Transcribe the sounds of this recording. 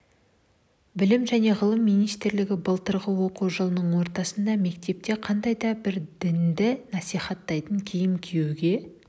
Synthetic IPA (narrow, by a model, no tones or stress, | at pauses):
bɪlɪmʒæne̞ʁəlˠəmːijnijst̪ɾlɪɡʲɪbəlˠt̪əɾʁəwo̞quwʒəlˠənəɴwo̞ɾt̪ɑsənd̪ɑme̞kt̪e̞p̚t̪e̞qʰɑnd̪ɑjd̪ɑbɪɾd̪ɪnd̪ɪnɑsijχɑt̪ːɑjt̪əŋkʲʰejɪmkʲʰejewɡʲe̞